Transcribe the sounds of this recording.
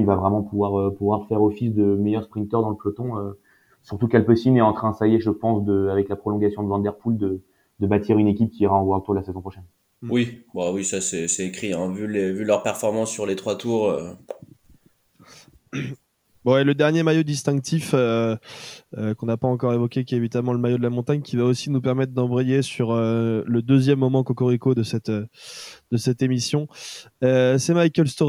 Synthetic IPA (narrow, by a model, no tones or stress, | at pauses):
ilvavʁɛmɑ̃puvwaʁøpuvwaʁfɛʁɔfisd̪əmɛjœʁspχĩnt̪œʁd̪ɑ̃ləplɔt̪ɔ̃ø | syʁt̪ukɛlpøsimnɛɑ̃t̪χɛ̃d̪əsajeʒəpɑ̃sd̪əavɛklapχɔlɔ̃ɡasjɔ̃d̪əvɑ̃d̪ɛʁpuld̪ə | d̪əbat̪ʰiʁynekʲip̚kʲiːʁaɑ̃vwaʁt̪uʁd̪lasezɔ̃pχɔʃɛn | wibawisasɛsɛekχiɛ̃vylevylœʁpɛʁfɔʁmɑ̃sːyʁlet̪χwat̪uːʁø | bwɛləd̪ɛʁnjemajod̪ist̪ɛ̃k̚t̪ʰifø | økɔ̃napaɑ̃kɔʁevɔkʲekʲiɛevit̪amɑ̃ləmajod̪əlamɔ̃t̪aɲkʲivaosinupɛʁmɛt̪̚ːd̪ɑ̃bʁɛjesyʁøləd̪øzjɛmːɔmɑ̃kɔkɔʁikod̪əsɛt̪ød̪̥əsɛt̪emisjɔ̃ | øsɛmajkʲɛlst̪o